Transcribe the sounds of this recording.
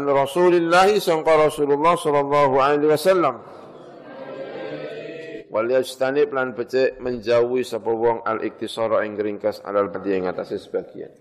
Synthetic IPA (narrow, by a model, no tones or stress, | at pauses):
anrɔsulilːaɦisɔŋkɔɾɔsululːɑhsɔlːɑlːɑɦualɛliwasalːam | waliast̪anɪp̚lanbət͡ʃɛʔməɲd͡ʒauisɔpɔwɔŋa̰lʔɪ̰k̚t̪isɔɾɔɪŋɾiŋkəsa̰dalpat̪iɪŋat̪asɪsə̥b̥aɡ̥ia̰n